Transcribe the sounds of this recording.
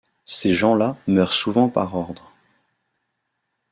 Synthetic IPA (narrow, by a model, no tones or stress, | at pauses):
seʒɑ̃lamœʁsuvɑ̃pa̰ʁɔʁd̪ʁ